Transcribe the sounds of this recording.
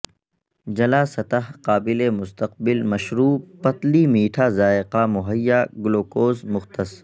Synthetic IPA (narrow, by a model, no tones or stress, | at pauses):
d͡ʒɐlaːsɐt̪aɦqaːbɪlemʊst̪ɐq̚bɪlmɐʃɾuːpɐt̪limiːʈʰazaːɪqamʊɦəjːaɡʊloːkoːzmʊxt̪ɐs